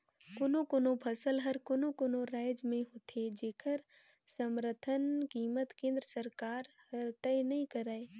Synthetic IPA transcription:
koːnõkoːnõpʰɐsəlɦɐɾkoːnokoːnoɾaːɪd͡ʒmẽɦot̪ʰed͡ʒeːkʰəɾ | səmɾət̪ʰənkiːmət̪kẽːnd̪ɾəsəɾkaːɾ | həɾt̪ɛnɐɦĩkəɾaːe

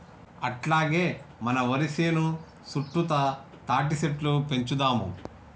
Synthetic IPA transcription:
ɐ̰ʈlaːɡeːmɐnɐʋɐɾiseːnu | suʈːut̪ɐ | t̪aːʈ̬iseplupe̞ɲt͡ʃud̪aːmṵ

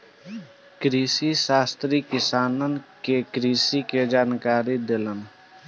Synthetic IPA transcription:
kɾiːsiʃaːst̪ɾikɪsaːnənkekɾiːsiked͡ʒaːnkaːɾid̪elən

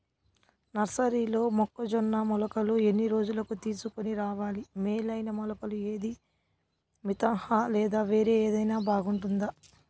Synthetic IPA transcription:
nɐɾsɐɾiːlo̞ːmɔkːɐd͡ʒɔnːɐmɔlɐkɐluenːiɾo̞ːd͡ʒulɐkut̪iːsukoniɾaːʋaːlimeːlɐjnɐmɔlɐkɐlue̞ːd̪i | mit̪ɐŋhɐlɛːd̪aːʋe̞ːɾe̞ːeːd̪ɐjnaːbaːɡuɳʈund̪a

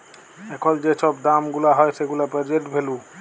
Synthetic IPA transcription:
ɛkʰɔld͡ʒesʰɔpd̪amɡulaɦɔjseɡulapɛd͡ʒeʈbʱelũ

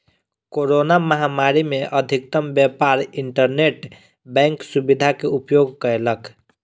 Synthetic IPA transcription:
koɾonaməɦamaɾimeʔəd̪ʱik̚t̪əmbjɛpaɾiɳʈəɾneʈ | bɛ̃ŋksubid̪ʱakeupjoɡ̚kəelək

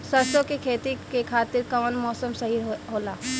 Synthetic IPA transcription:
sɐɾsokekʰeːt̪ikekʰaːt̪ɪɾkɐʋənmɔːsəmsɐɦiɦoːlaː

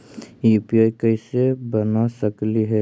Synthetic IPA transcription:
jupiajkəɪsebənasəkliɦɛ

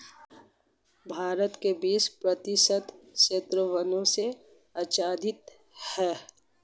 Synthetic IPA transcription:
bʱaːɾət̪kebiːt͡ʃpɾət̪ɪʃət̪ʃeːt̪ɾəʋənõse | ɐt͡ʃaːd̪ʱɪt̪ | hɛː

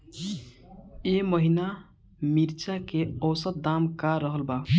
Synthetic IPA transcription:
eməɦina | miɾt͡ʃakeɔwsət̪̚d̪amkaɾəɦəlba

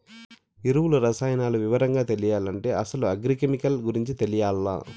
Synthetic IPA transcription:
iɾuwulɐɾɐsaːjɐnaːluʋiʋɐɾɐŋɡaːt̪e̞lijaːlɐɳʈe̞ːʔɐsɐluɐɡɾikemikɐlɡuɾiɲt͡ʃit̪elijaːlːa̰ː

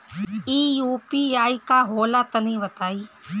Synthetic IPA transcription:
iːjuːpiːaːikaɦoːlat̪ɐnĩbɐt̪aːiː

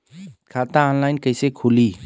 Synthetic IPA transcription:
kʰat̪aɔnlaːɪnkəɪsekʰuliː

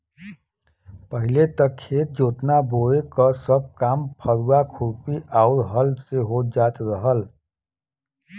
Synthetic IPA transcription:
pəɦilet̪əkʰet̪̚d͡ʒot̪naboekəsəb̚kampʰəɾuakʰuɾpiʔaʊɾɦəlseɦod͡ʒat̪ɾəɦəl

